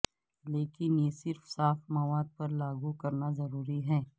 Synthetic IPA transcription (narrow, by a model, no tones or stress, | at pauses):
leːkɪnjesɪɾfsaːfmɐʋaːd̪̚pɐɾlaːɡukɐɾnazɐɾuːɾiɦɛː